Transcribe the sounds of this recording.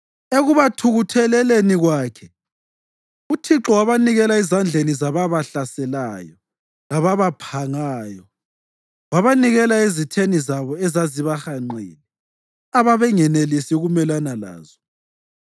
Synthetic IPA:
eɣuβatʰuɣutʰɛlɛleniɣwaːkʰɛ | utʰiǁɔwaβaniɣɛlaizand͡ɮʱenizaβaβaɬasɛlajɔ | laβaβapʰaŋaːjɔ | ɣwaβaniɣɛlaezitʰenizaβɔɛzaziβaxaŋ͡ǃḭːni | aβaβɛŋɛnelisiuɣumɛlanala̰ːzɔ

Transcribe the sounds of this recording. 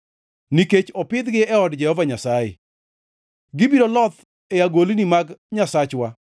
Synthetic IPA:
niket͡ʃɔpɪd̪ɡɪɛɔdd͡ʒɛhɔvaɲasajḛ | ɡɪbiɾolɔt̪ | ɛjaɡolinimaɡɲasat͡ʃwa

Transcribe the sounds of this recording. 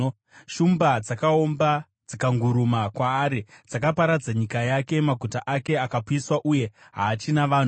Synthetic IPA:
ʃumbad͡zakao̞mba | d͡zikaŋɡuɾumakwaːɾid͡zakapaɾad͡zaɲikajake̞maɡʱutaʔake̞akapuiswaʔuje̞ | ɦaːt͡ʃinaʋaːn̤u

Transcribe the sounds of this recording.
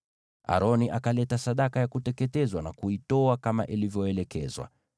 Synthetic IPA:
ʔa̰ɾɔniʔakalɛtasaɗakajakutɛkɛtɛzwanakuitɔakama̰ʔilivjɔɛlɛkɛzwa̰

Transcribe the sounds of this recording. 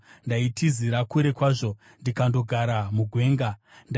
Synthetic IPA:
ndaitʰiziɾakuɾe̞kwaːʐo̞ | ndikando̞ɡʱaɾamuɡʱwe̞ːŋɡa | nd

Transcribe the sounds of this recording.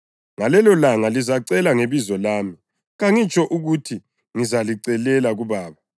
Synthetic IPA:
ŋalɛlɔlaŋalizaǀɛlaŋeβizɔlaːmi | ɣaŋit͡ʃʼɔʔuɣutʰi | ŋizaliǀɛlɛlaɣuβaːβa

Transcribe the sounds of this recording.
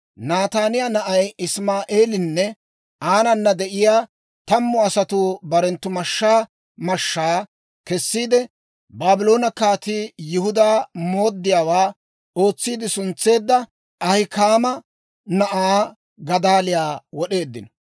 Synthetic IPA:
naːt̪aːnɪjanɐʔɐjɪsmaːʔeːlɪnːɛ | aːnɐnːɐd̪ɛʔɪjaː | t̪ɐmːʊɐsɐt̪uːbɐɾɛnt̪ːʊmɐʃːaː | mɐʃːaː | kɛsːiːd̪ɛ | baːbɪlo̞ːnɐkaːt̪ijɪhʊd̪aːmo̞ːd̪ːɪjaːwaː | o̞ːt͡sːiːd̪ɪsʊnt͡sːe̞ːd̪ːɐ | ɐhɪkaːmɐ | nɐʔaː | ɡɐd̪aːlɪjaːwɔɗe̞ːd̪ːɪnɔ

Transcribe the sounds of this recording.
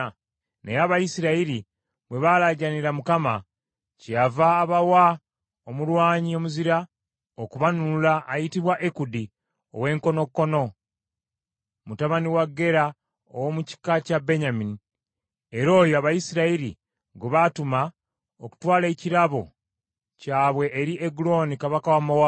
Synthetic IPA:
nḛjaːβajisiɾaiɾi | bwe̞βalaɟaniɾamukama | cavaːβawa | omulwaːɲio̞muziɾa | okuβanuulaːjitiβwaʔekudi | o̞̰we̞ːŋko̞no̞kːo̞no̞ | mutaβaniwaɡːe̞ɾa | o̰wo̞muci̥kːacabe̞ɲamini | e̞ɾo̞ːjoaβajisiɾaiɾḭ | ɡuβatuma | oku̥twaːle̞ːciɾaβo̞̰ | caːβwe̞ʔːɾiʔeɡulo̞nikaβakawamawa

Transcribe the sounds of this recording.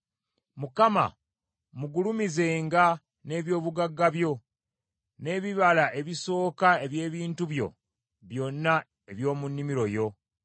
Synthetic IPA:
mukama̰ | muɡulumize̞ːŋɡa | ne̞ːβjo̞ːβuɡaɡːaβjo̞ | ne̞ːβiβalaʔe̞βiso̞ːkae̞βje̞ːβiːntuβjo̞̰ | βjo̞nːa | e̞βjo̞ːmunːimiɾo̞jo̞

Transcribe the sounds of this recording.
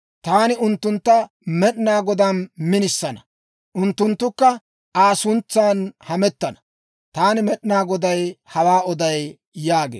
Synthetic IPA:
t̪aːnɪʊnt̪ːʊnt̪ːɐ | mɛɗnaːɡɔd̪anmɪnɪsːɐnɐ | ʔʊnt̪ːʊnt̪ːʊkːɐ | ʔaːsʊnt͡sːaːnhɐmɛt̪ːɐnɐ̥ | t̪aːnɪmɛɗnaːɡɔd̪ɐjhɐwaːɔd̪ɐj | jaːɡḛː

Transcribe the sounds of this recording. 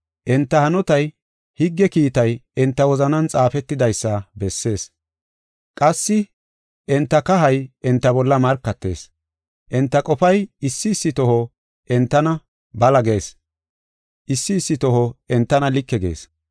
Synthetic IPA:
ʔɛnt̪ːɐhɐnɔt̪ɐj | hɪɡːɛkiːt̪ɐjɛnt̪ːɐwɔzɐnɐnt͡sʼaːfɛt̪ːɪd̪ɐjsːɐbɛsːe̞ːs | kʼɐsːɪ | ʔɛnt̪ːɐkɐɦɐjɛnt̪ːɐbɔlːɐmɐɾkːɐt̪ːe̞̰ːs | ʔɛnt̪ːɐkʼɔfɐjɪsːɪːsːɪt̪ɔɦɔ | ʔɛnt̪ːɐnɐ | bɐlɐɡe̞ːs | ʔɪsːɪːsːɪt̪ɔɦɔɛnt̪ːɐnɐlɪkːɛɡe̞̰ːs

